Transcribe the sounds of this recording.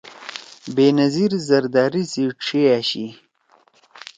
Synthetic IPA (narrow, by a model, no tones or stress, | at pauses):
beːnɐziɾzɐɾd̪aːɾisiʈ͡ʂʰeaɕi